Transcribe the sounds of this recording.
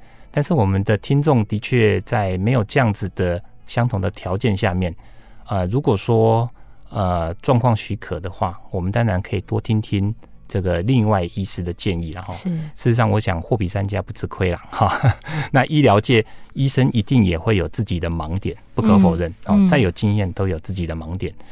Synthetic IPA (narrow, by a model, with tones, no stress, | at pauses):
t̪a˥˧nʂɻ̩˥˩wɔ˨˩mə˦nd̪ə˨t̪ʰi˥nt͡sʊ˥˩ŋt̪i˧˥t͡ɕʰɥɛ˥˧t͡sa˥˩ɪme˧˥ɪjo˨˩ʊʈ͡ʂə˥˧jɑ˥˩ŋd͡zɹ̩˨d̪̥ə˩ɕjɑ˥ŋt̪ʰʊ˨˩ŋd̪ə˨t̪ʰjɑ˧˥ʊt͡ɕjɛ˥˧nɕja˥˧mjɛ˥˨˩nə˨ɻu˧˥kwɔ˨˩ʂwɔ˥ | ə˨˩ʈ͡ʂwɑ˥˧ŋkʰwɑ˥˩ŋɕy˧˥kʰə˨˩d̪ə˩xwa̰˥˩wɔ˨˩mə˨˦nt̪a˥nɻa˧˦nkʰɤ˧˥i˨˩t̪wɔ˦t̪ʰi˥ŋt̪ʰi˦˥n | ʈ͡ʂɤ˥˩ɡə˩li˥˧ŋwa˥˩ɪi˦˥sɹ̩˥d̪ə˨t͡ɕjɛ˥˧ni˥˩la̰˩xɔ˥˦ʂɻ̩˥˩i˧˦sɑ˥˩ŋwɔ˧˦ɕjɑ˨˩ŋxwɔ˥˩pi˨sa˥nt͡ɕja˦pu˧˩t͡s̩ʰ˧˥kʰwe˥ɪla˨˩xɔ˥˩na˥˨ʔi˥ljɑ˧˥ʊt͡ɕjɛ˨˩i˦ʂə˦ni˧˥t̪i˥˩ŋjɛ˨˩xwe˥˩ɪjo˨˩ʊt͡sɹ̩˥˩t͡ɕi˨˩d̪ə˦mɑ˧˥ŋt̪jɛ˨˩˦npu˥˩kʰɤ˧˦fo˨˩ʊɻə˥˩nhɔ˥˨t͡sa˥˩ɪjo˨˩ʊt͡ɕi˥˧njɛ˥˨nt̪o˥ʊjo˨˩ʊt͡sɹ̩˥˩t͡ɕi˨˩d̪ə˦mɑ˧˥ŋt̪jɛ˨˩n